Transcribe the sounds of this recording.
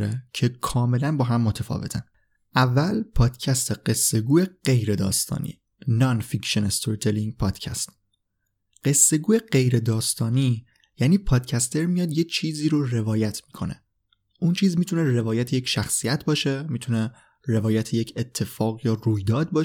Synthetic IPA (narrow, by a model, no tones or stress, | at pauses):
ɾecʰe̞kʰɒːme̞lænbɒːɦæmːot̪ʰæfɒ̰ːve̞t̪ʰæn | ʔævːælpʰɒːd̪̥cʰæst̪ʰeɢ̥e̞sːe̞ɡuːeɢ̥e̞jɾe̞d̪ɒ̰ːst̪ɒ̰ːnḭː | nɒnficʃenest̪ʰoɾt̪ʰeliŋɡpʰɒːd̪̥cʰæ̰st̪ | ɢ̥e̞sːe̞ɡuːje̞ɢe̞jɾe̞d̪ɒːst̪ɒːniː | jæːniːpʰɒːd̪̥̚cʰæst̪ʰe̞ɾmijɒːd̪jet͡ʃʰiːziːɾore̞vɒːjæt̪ʰmiːkʰo̞̰nḛ | ʔunt͡ʃʰiːzmiːt̪ʰunere̞vɒːjæt̪ʰejecʰʃæxsijæt̪ʰbɒːʃemit̪ʰune̞ | ɾe̞vɒːjæt̪ʰejecʰet̪ʰːe̞fɒːɣɢjɒːruːjd̪ɒːd̪̚bɒː